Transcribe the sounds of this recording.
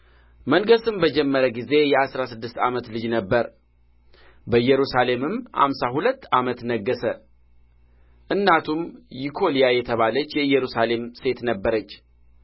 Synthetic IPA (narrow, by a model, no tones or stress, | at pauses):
məŋɡəsɨmbəd͡ʒɛmːəɾəɡize̞jɛasɾasɨd̪ːɨst̪a̰mət̪lɨd͡ʒnəbːəɾ | bəɨjɛɾusale̞mɨmha̰msahulət̪ːamət̪nəɡːəsə | ʔɨnːat̪ʰumjikʰo̞lijajɛt̪ʰəβalət͡ʃːjɛɨjːɛɾusale̞mse̞t̪nəbːəɾət͡ʃː